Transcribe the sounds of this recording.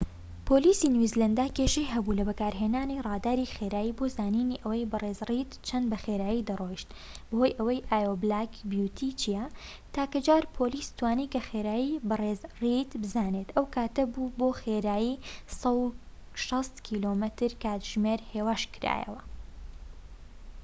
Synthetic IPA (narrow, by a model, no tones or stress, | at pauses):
pʰoːliːsinwizlɐnd̪aːkeːʃejɦɐbuːlɐbɐkaːɾɦenaːnirˤɑːd̪aːɾixeɾaːjiːbozaːniːniʔɐwɐjbɨreːzrit̪t͡ʃʰɐnd̪bɐxeɾaːjid̪ɐrojʃt̪b̥ɨhojʔɐwɐjʔaːjoblaːkbjut̪ʰiːt͡ʃijɐ | t̪aːkɐd͡ʒaːɾpʰoliːst̪ʰwaːnikɐxeːɾaːjibɨreːzrit̪bɨzaːneːt̪ɐwkʰaːt̪ɐbuboxeːɾaːjisɐw | ʃɐst̪kʰiloːmɨt̪ɨɾkʰaːt̪ʒ̥meɾheːwaːʃkɨɾa̰ːjɐ̰wɐ